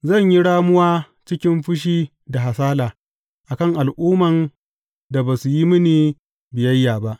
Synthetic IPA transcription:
zɐ˦˨ɲji˦ɽaː˦mʊ˦waː˦ | t͡ʃɪ˦kʲɪ˦mɸʊ˦ʃ̬iː˦ | da˨ɦa˨saː˦laː˨ | ʔa˨kɐ˦˨ŋʔa˨lʔuː˦mɐ˨n | da˨baː˨su˨ji˦mɪ˦niː˨ | bɪ˨jɐ˦jːaː˨ba˦ʔ

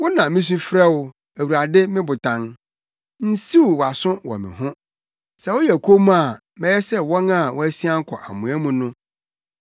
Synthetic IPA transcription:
wɔ˦nã˨mɪ̃˦s̬u˦fɾɛ˦wʊ˨ | æ˨wu˨ɾa˨dɪ˦mɪ̃˦bʊ˨tʰã˨n | n̩˦si˦wwa˨sʊ̃˦wɔ̰˨mɪ̰̃˨ɦʊ̃˦ | sɛ˨wɔ˦jɛ˨kʰo˦mũ˦a˨ | mɛ̃˦jɛ˦sɛ˦wɔ˦nã˦˨wɔ˦æ˦si˦a˦ŋ̩˦kʰɔ˨ʔa˨mũ˨æ˦mũ˨nʊ̃˦

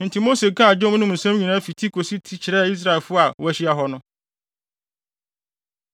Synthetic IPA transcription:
n̩˨tʰi˨mo˦se˨kʰã˦a˨d͡ʑɔ̃˦m˦nʊ̃˦mũ˨sã˦m˦ɲĩ˨nãː˦fi˨tʰi˦kʰo˨si˦tʰi˦t͡ɕʰɪ˨ɾɛ˦˨˦i˦s̬ɾa˦ɛ˨lfʊ˦a˨wæ˦ɕi˦a˦ɦɔ˦nʊ̃˦

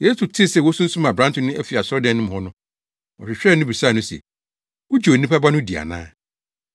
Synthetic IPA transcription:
je˦su˨tʰɪ˦˨sɛ˨wɔ˦sũ˦n̩˦sũ˦mã˨bɾã˦ntʊ̃˦nɪ̃˦æ˦fi˨a˨sʊ˦ɔ˦dɛ̃˦˨nːʊ̃˦m˨hɔ˦nʊ̃˦ | ɔ˨ɕᶣɪ˨ɕᶣɾɛ˦˨nʊ̃˦bi˨saː˦˨nʊ̃˦sɛ̰˨ | ʊ˦d͡ʑnĩ˦pʰa˦ba˦nʊ̃˦di˨a̰˨nã̰ː˦

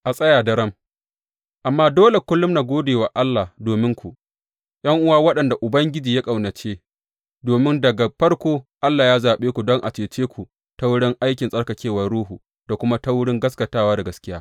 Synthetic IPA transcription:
ʔa˨sʼɐ˦jaː˨dɐ˦ɾɐ˦m | ʔa˨mːaː˦doː˦le˨kʷʊ˦lːʊ˦mnaː˨ɡʷoː˦deː˨waː˨ʔa˦lːa˨doː˨mɪ˦ŋkʷu˨ʔ | jʔɐ˦ŋʔʊ˦waː˦wɐ˦ɗɐ˨nda˨ʔʊ˨bɐ˦ŋɡʲɪ˦d͡ʒiː˨ja˦kʼa˨wnɐ˨t͡ʃeː˦ | doː˨mɪ˦ndɐ˨ɡa˨ɸɐ˦rkʷoː˦ʔa˦lːaː˨jaː˦zaː˨ɓeː˦kʷu˨dɔ˦ŋʔa˨t͡ʃeː˨t͡ʃeː˦kʷʰu˨ | ta˦wʊ˦ɽɪ˦ŋʔa˦jkʲɪ˨nsʼɐ˦rkɐ˨kʲeː˦wɐ˨rɽuː˦ɦuː˨ | d̥a˨kʷʊ˦ma˦ta˦wʊ˦ɽɪ˦ŋɡɐ˦skɐ˨taː˦waː˦da˨ɡɐ˦skʲɪ˦jaː˦

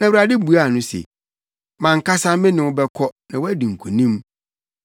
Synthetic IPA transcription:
nã˨wu˨ɾa˨dɪ˦bu˨a˦˨nʊ̃˦sɛ̰˨ | mã˨ŋ̩˨ka˦sa˦mɪ̃˦nɪ̃˨ʊ˦bɛ˦kʰɔ˦nã˨wɔ˦æ˦dĩ˨ŋ̩˨kʰu˨nĩ˦m

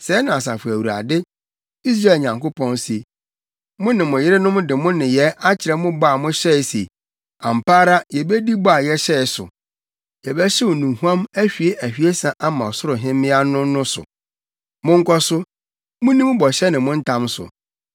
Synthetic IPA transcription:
sɛ˨˦nã˨s̬a˨fʊ˨æ˨wu˨a̰˨dɪ˦ | i˦s̬ɾa˦˨lɲã˨ŋko˦pʰɔ̃˦nsi˨e˨ | mʊ̃˦nɪ̃˨mʊ̃˨jɪ˦ɾɪ˦nʊ̃˦m˦dɪ˨mʊ̃˦nɪ̃˨jɛ˦ʔa˦t͡ɕʰɪ˨ɾɛ˨˦mʊ̃˦ba˦˨mʊ̃˦ɕɛ˦ɪ˨se˨ | ã˨m̩˨pʰaː˦ɾa˦jɛ˨bɛ˦di˦ba˦˨jɛ˦ɕɛ˦ɪ˨sʊ̰˨ | jɛ˨bɛ˦ɕɛ˦wɔ˨nũ˨hu˦ã˦mæ˦ɕᶣi˨e˦ʔæ˨hᶣi˨˦e˦sã˨ʔa˦mã˨ɔ˨sʊ˦ɾʊ˨ɦɪ̃˦mːɪ̃˦a˦nʊ̃˦nʊ̃˦sʊ̰˨ | mʊ̃˦ŋ˦kɔ˦sʊ˦ | mʊ̃˦nĩ˦m˦bɔ˨ɕɛ˦nɪ̃˨mʊ̃˦n̩˦tʰã˦msʊ̰˨

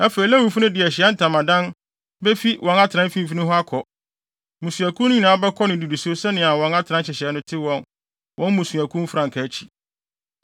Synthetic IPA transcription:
a˦fe˨ɾi˨˦læ˦wu˨fʊ˦nʊ̃˦dɪ˨ɛ˨ɕɪ˨ɛ˦n̩˦tʰã˨mã˨dã˦n | bɛ˦fi˦wʔɔ̃˨na˦tʰɪ˨ɾã˦m̩˦fĩ˦m˦fi˦nʊ̃˦ɦɔ˦a˦kʰɔ˨ | mũ˨su˨æ˨kʰũ˦n˦ɲĩ˨nãː˨˦bɛ˦kʰɔ˦nɪ̃˨di˨du˨su˦o˦sɛ˦nɪ̃˨a˨wɔ̃˨na˦tʰɪ˨ã˦n˦ɕɪ˨ɕɪ˨ɛ˦nʊ̃˦tʰɪ˦wɔ̃˨n | wʔɔ̃˦nmũ˨su˨æ˨kʰũ˦m̩˦fɾã˨ŋ˨kʰæ˨˦t͡ɕʰi̥˨

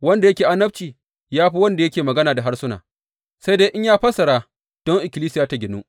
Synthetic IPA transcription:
wɐ˦nda˨jɐ˦kʲeː˨ʔa˦nːɐ˦b̚t͡ʃiː˨ | jaː˦ɸiː˦wɐ˦nda˨jɐ˦kʲeː˨mɐ˨ɡɐ˦naː˨da˨ɦa˦rsʊ˦na̰ː˨ | sa˦jdeː˦jʔɪ˦ɲjaː˦ɸɐ˦sɐ˨ɽaː˦ | d̥ɔ˦ŋʔɪ˨kʲɪ˨liː˦sɪ˦jaː˨ta˦ɡʲɪ˨nu˦ʔ

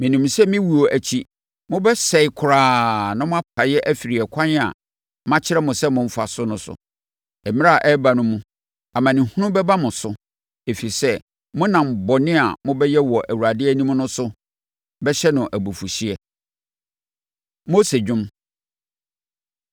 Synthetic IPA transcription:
mɪ̃˨nĩ˨m˨sɛ˦mɪ̃˦wu˨o˨ʔæ˨t͡ɕʰi˦ | mʊ̃˦bɛ˦sɛ˨ɪ˨kʰʊ˨ɾaː˨nã˦mʊ̃˦a˦pʰa˨˦jɛ˦ʔæ˦fi˨ɾi˨ɛ˨kʷʰã˦n˦a̰˨ | mã˦t͡ɕʰɪ˦ɾɛ˦mʊ̃˨sɛ˦mʊ̃˨m̩˦fa˨sʊ˦nʊ̃˦sʊ̰˨ | ɛ˨mɪ̃˦a˨ʔɛ˦ba˨nʊ̃˦mũ˦ | a˨mã˨nɪ̃˨hũ˦nʊ̃˦bɛ˦ba˦mʊ̃˨sʊ˨ | e˨fi˨i˨sɛ˦ | mʊ̃˦nã˨m̩˨bɔ˨nɪ̃˦a̰˨mʊ̃˦bɛ˦jɛ˦wɔ˨ʔæ˨wu˨ɾa˨dɪ˦ɛ˦nĩ˦m̃˦nʊ̃˦sʊ˦ | bɛ˦ɕɛ˦nʊ̃˨ʔæ˨bo˨fu˨si˦ɛ˦ | mo˦se˨d͡ʑᶣʊ̃˦m

